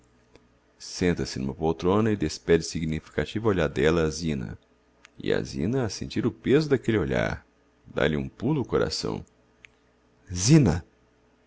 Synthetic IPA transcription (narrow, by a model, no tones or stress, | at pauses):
sẽnt̪ɐsɪnũmɐpowt̪ɾõnɐɪd̪espɛd͡ʒɪsiɡnifi̥kat͡ʃivɐoʎaɾd̪ɛlɐːzĩnɐ̰ | ɪ̰a̰zḭ̃nɐːsẽnt͡ʃiɾʊpezʊd̪akelɪoʎa̰ɾ | d̪a̰lɪũpulʊːkoɾa̰sɐ̰̃w̃ | zĩnɐ